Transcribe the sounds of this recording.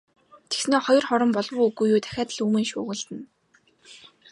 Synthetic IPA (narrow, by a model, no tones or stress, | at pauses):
t̪ʰe̥ksneːχɔjɞ̆rχɔɾɞ̆mpɔɮwʊːuɣujuːt̪ʰæ̥xʲaːt̪ə̆ɮuːmeːŋʃʊ̰ːɣə̆ɮt̪ɘ̆n